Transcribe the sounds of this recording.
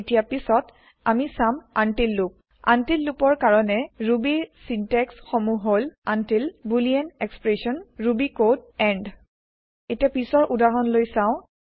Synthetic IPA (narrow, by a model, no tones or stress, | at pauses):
tijapisɔt | amisamantilːup̚ | a̰ntilːupɔɹkaɹɔnɛɹubisintɛksxomuɦolantilbuliɛnɛkspɹesɔnɹubikodɛɳɖ | etiapisɔɹʔudaɹɔnlojsãʊ̃